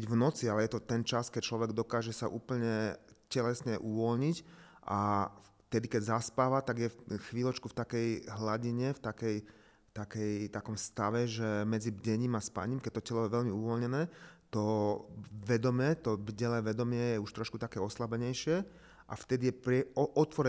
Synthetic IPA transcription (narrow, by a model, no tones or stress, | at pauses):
biɟvnɔt͡sialɛjɛt̪ɔt̪ɛnt͡ʃaskɛc̚t͡ʃlɔʋɛɡd̪ɔkaːʒɛsaʔuːpl̩ɲɛcɛlɛsɲɛʔuʋɔlɲic | ʔaft̪ɛd̪ikɛɟzaspaːʋat̪aɡjɛxʋiːlɔt͡ʃkuft̪akɛjɦlaɟiɲɛft̪akɛj | ft̪akɛjt̪akɔmst̪aʋɛʒɛmɛd͡zibɟɛɲiːmaspa̰ɲimkɛc̚t̪ɔcɛlɔjɛʋɛʎmiuʋɔlɲɛnɛːt̪ɔ | ʋɛd̪ɔmjɛt̪ɔbɟɛlɛːʋɛd̪ɔmɪɛjɛuʃt̪ɾɔʃkut̪akɛːɔslabɛɲɛjʃɪɛ | ʔa̰ft̪ɛd̪ijɛpɾɛʔɔt̪ʋɔɾɛ